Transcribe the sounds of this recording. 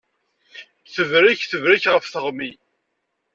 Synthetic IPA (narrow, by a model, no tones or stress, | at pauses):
θəvɾiçθəvɾɪçʁəfθəʁmi